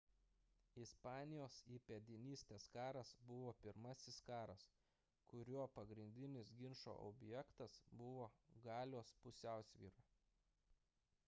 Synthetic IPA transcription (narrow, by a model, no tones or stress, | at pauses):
ɪspɑːnʲɪjoːsipʲɛd̪ʲɪnʲiːsʲt̪ʲeːskɑːɾɐsbʊʋoːpʲɪɾmɐsʲɪskɑːɾɐs | kʊɾʲuɔpɐɡɾʲɪnʲd̪ʲɪnʲɪsɡʲɪnʃo̰ːʔɔ̰bʲjɛkt̪ɐsbʊʋoːɡɑːlʲoːspʊsʲæˑʊsʲʋʲiːɾɐ